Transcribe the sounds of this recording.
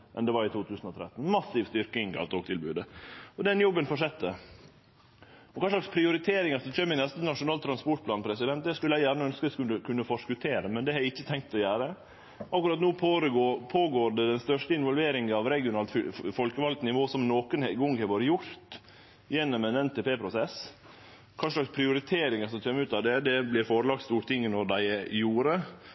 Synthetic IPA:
ʔɛ̰nd̪ɛʋɑɾɪt̪ʰuːt̪ʰʉːsn̩ɔt̪ʰɾɛ̰t̪ːn̩mɑsɪːʋst̪ʏɾkɪŋkʰɑ̰lt̪oːɡ̚t̪ʰɪlbʉ̰ːd̪əɔd̪ɛnjɔbːənfɔʂɛt̪ːə | ɔkʰɑːʂlɑkspʰɾɪʊɾɪt̪ʰeːɾɪŋɑsɔt͡ʃøːmɪnɛst̪ənɑʂʊnɑːlt̪ʰɾɑnspɔʈ̚pʰlɑːnpʰɾɛsɪd̪ɛnt̪d̪æskʉlːæɪjæːɾɳəœnskəkʉəkʉnːəfɔʂkʉt̪ʰeːɾəmɛnd̪ɛhɑɪçːət̪ʰɛŋkt̪ɔjæːɾə | ʔɑkːɾɑt̪nuːpʰoɾəɡopʰoːɡoːɾɖɛd̪ɛnst̪œʂʈəɪnʋɔlʋeːɾɪŋəɑʋɾɛɡɪʊnɑːlt̪ffɔlkəʋɑlk̚t̪nɪʋoːsɔmnoːkənhɛɡʊŋɡhɛʋoɾjʊɾt̪ | jɛnːɔmɛnɛnt̪ʰeːpeːpʰɾʊsɛs | kʰɑːʂɭɑkspʰɾɪʊɾɪt̪ʰeːɾɪŋəɾsɔmt͡ʃøːməʉːt̪ɑʋd̪ɛd̪ɛblɪɾfoːɾəlɑːk̚st̪uːɾʈ̪ɪŋːənɔɾd̪æɪjuːɾə

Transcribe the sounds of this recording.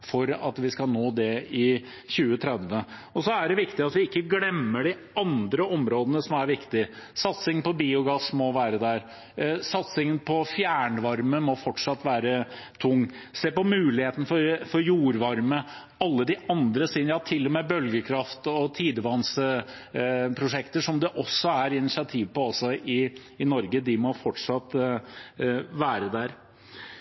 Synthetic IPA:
fɔɾɑ̰t̪ʋɪskɑlnoːd̪ɛɪ | çʉːət̪ʰɾɛd̪ʋəɔsɔæɖɛʋɪkt̪ɪɑt̪ʋɪɪkːəɡlɛmːəɖɪ | ɑnd̪ɾəɔmɾoːd̪ənəsɔmæɾʋɪkt̪ɪsɑt̪sɪŋnpɔbiːʊɡɑsmɔʋæːɾəd̪æɾ | sɑt̪sɪŋənpʰɔfjæːɳəʋɑɾməmɔfɔʈʂɑt̪ːʋæːɾət̪ʰʊŋːseːpɔmʉːlɪheːt̪nəfɔɾfɔɾjuːɾʋɑɾmə | ɑlːəd̪ɪʔɑnd̪ɾəsiːnjɑt̪ʰɪlːɔmɛːbœlɡəkʰɾɑft̪ɔt̪ʰiːd̪əʋɑnsə | pʰɾʊʂɛkt̪əʂɔmd̪ɛʔɔsːɔæɾɪnɪsɪɑt̪ʰiːʋpɔɑsɔɪː | nɔɾɡəd̪ɪmɔfɔʈʂɑt̪ | ʋæːɾəd̪æɾ

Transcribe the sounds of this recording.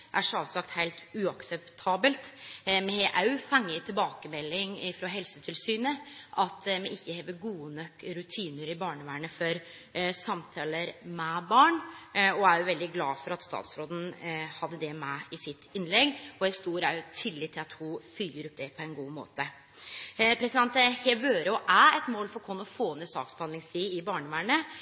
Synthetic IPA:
ʔæʂɑːʋsɑkt̪hæɪlt̪ʉɑksɛpt̪ʰɑːbəlt̪mɛhɛʔɑʉfɑŋːət̪ʰɪlbɑːkəmɛlːɪŋɪfɾoːɦɛlsət̪ʰɪlsyːnəʔɑt̪mɛɪçːəheːʋəɾɡuːənœkːɾʉt̪ʰiːnəɾɪbɑːɳəʋæːɳəfɔɾ | sɑmt̪ʰɑːləɾmɛbɑːɳɔæɾjʊʋɛld̪ɪɡlɑːfɔɾɑt̪st̪ɑ̰ːt̪sɾoːd̪n̩hɑd̪ːəd̪ɛmæɪsɪt̪ːɪnlɛɡɔɛst̪uːɾæɾjʊt̪ʰɪlːɪːt̪ʰːɪlɑt̪hʊfyːəɾɔp̚ːd̪ɛpʰɔɛnɡuːmo̰ːt̪ə | pʰɾɛsɪd̪ɛnt̪hɛʋøːɾəɔʔæɛt̪moːlfɔɾkʰɔnːɔfoːnesɑ̰ːksb̥hɑnd̪lɪŋst̪ʰiːɪbɑːɳəʋæːɳə

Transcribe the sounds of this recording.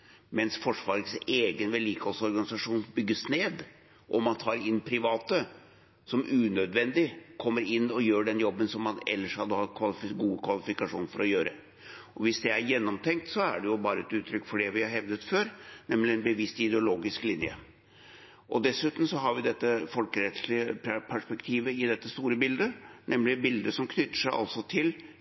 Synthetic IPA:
mɛnsfɔʂʋɑːɾəseːɡənʋɛliːkəholsɔɾɡɑnɪsɑʂuːnbʏɡːəsneːd̪ | ʔɔmɑnt̪ʰɑːɾɪnːpʰɾɪʋɑːt̪ə | sɔmʉːnœd̪ʋɛnd̪ɪkʰɔmːəɾɪnːɔjøːɖɛnjɔbːənsɔmːɑnɛ̰lːəʂhɑd̪ːəhɑt̪ːkʰʋɑlɪfɪɡuːəkʰʋɑlɪfɪkɑʂuːnfɔɾɔjøːɾə | ʔɔʋɪsd̪ɛæɾjɛnːɔmt̪ʰɛŋk̚t̪sɔæ̰ɖɛjʊbɑːɾəɛt̪ʉːt̪ːʰɾʏkːfɔɖɛʋɪhɑɾhɛʋd̪ət̪føːɾnɛmlɪɛnbəʋɪst̪ɪd̪ɛʊloːɡɪsklɪnjə̰ | ʔɔd̪ɛsʉːt̪n̩sɔɦɑɾʋɪd̪ɛt̪ːəfɔlkəɾɛt̪ʂlɪəppʰæʂpɛkt̪ʰiːʋəɪd̪ɛt̪ːəst̪uːɾəbɪld̪ənʔɛmlɪbɪld̪əsɔmkʰnʏt̪ːə̥ʂæɪʔɑ̰lsɔt̪ʰɪl

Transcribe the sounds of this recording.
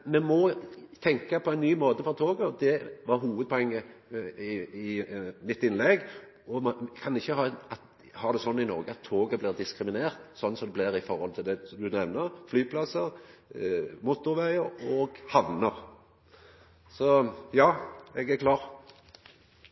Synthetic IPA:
mɛmɔt̪ʰɛŋkɑpʰɔæɪnnyːmoːt̪əfɔʁt̪ʰoːɡəd̪ɛʋɑɾɦuːʋəd̪̚pʰɔɛŋːəɪɪmɪt̪ːɪnlɛɡ | ɔmkʰɑnɪçːəɦɑːɑt̪ | hɑːd̪ɛsɔnːɪnɔ̰ɾɡəɑt̪ʰːoːɡəblɪːʁd̪ɪskɾɪmɪneːʁt̪sɔnːsɔmd̪ɛblɪɾɪfɔɾhɔlt̪ʰɪld̪ɛd̪ʉnɛʋnəɾflyːpʰlɑsəɾ | mʊt̪ːʊɾʋæɪəɾɔːɡhɑʋnəɾ | sɔjɑːɛɡæɾkʰlɑːʁ

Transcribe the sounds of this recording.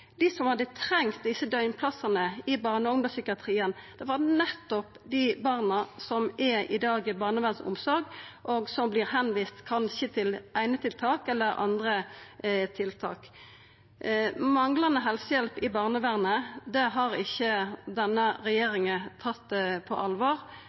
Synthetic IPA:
d̪ɪsɔmhɑd̪ət̪ʰɾɛŋt̪̚d̪ɪsːəd̪œʏnpʰlɑsɑnəɪbɑːʁnəʊmd̪əsʏkɪɑt̪ʰʁiːənd̪̥ɛʋɑʁnɛt̪ːɔp | d̪ɪbɑːʁnəsɔmɛɪd̪ɑːɡbɑːʁnəʋæʁnsʊ̰msɔɾɡʔoɡsɔmbliːʁɦɛnʋiːst̪kʰɑnɕət̪ʰɪlæɪnət̪ʰɪlt̪ʰɑːkɛlːəɾʔɑ̰nd̪ʁə | t̪ʰɪlt̪ʰɑ̰ːk | mɑŋlɑnəɦɛlsəjɛlpɪbɑːʁnəʋæʁnəd̪ɛɦɑʁɪçːəd̪ɛnːəɾɛjeːɾɪŋət̪ʰɑt̪ːpʰɔ̰ʔɑlʋɑːʁ

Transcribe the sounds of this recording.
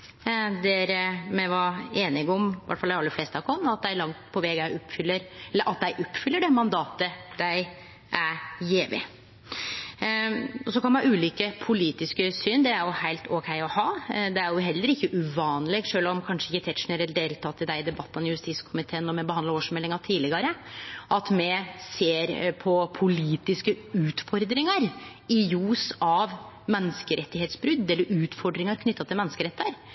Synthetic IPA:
d̪eːɾəmɛʋɑeːnɪɡɔmʋæ̰ʈːfɑlæɾɑlːəfleːst̪ʰɑkɔnːɑt̪̚d̪æɪlɑŋt̪pʰɔʋɛɡæɔpːfʏlːəɾɛlːəɾʔɑt̪̚d̪æɪʔɔpːfʏlːəɖɛmɑnd̪ɑːt̪əd̪̥æɪ | ʔæɾjeːʋɪ̰ | ɔsɔkʰɑnmɑɑʉːliːkəpʰʊliːt̪ɪskəsyːnd̪ɛæɾjʊhæɪlt̪ʰɔkʰæɪɔhɑːd̪ɛæɾjʊɦɛlːəɾɪçːəʔʉʋɑːnlɛɡʂøːlɔmkʰɑnʂəɪçːət̪ʰɛt̪ʂneɾəd̪eːlt̪ʰɑt̪ʰːɪld̪æɪɪd̪ɛbɑt̪ːənjʉst̪iːskʰʊmɪt̪ʰeːənːɔmɛbəhɑnd̪lɑoːʂmɛlːɪŋɑt̪ʰiːlɪɡɑɾəʔɑt̪mɛseːɾpʰɔpʰʊliːt̪ɪskəʉːt̪fɔɾd̪ɾɪŋəɾɪjuːsɑʋ | mɛnːəskəɾɛt̪ːɪheːt̪sbɾʏd̪ːɛlːəɾʉːt̪fɔɖɾɪŋɑɾkʰnʏt̪ːɑt̪ʰɪmɛnːəskəɾɛt̪ʰːəɾ

